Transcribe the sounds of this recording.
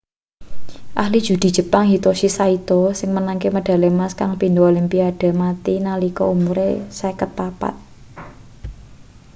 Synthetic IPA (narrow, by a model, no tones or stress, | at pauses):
ʔahlid̥ʒ̥ṳd̪̥i̤dd͡ʒ̥ʒ̥ə̤paŋɦit̪oʃisait̪osɪŋmənaŋkeməɖ̥a̤lemaskaŋpind̪oolimpiad̥a̤mat̪inalikɔumuɾḛsakət̪̚papa̰t̪̚